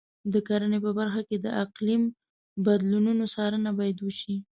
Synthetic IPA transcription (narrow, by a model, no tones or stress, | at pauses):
d̪əkaɾənepəbaɾxaked̪əʔaqlim | bad̪lununosɑɾənabɑjad̪wəʃi